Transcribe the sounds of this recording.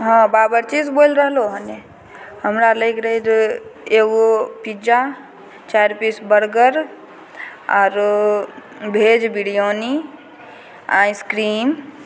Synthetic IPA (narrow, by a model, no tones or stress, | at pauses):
ɦãbaːbəɾt͡ʃisbolɾəɦloɦə̃ne | həmɾaləɪkɾəɦid̪eːɡopid͡ʒa | t͡ʃaːɾpisbəɽɡəɾ | ɔːɾ | bʱeːd͡ʒbiɽijoːni | ã̰ːjskɾiːm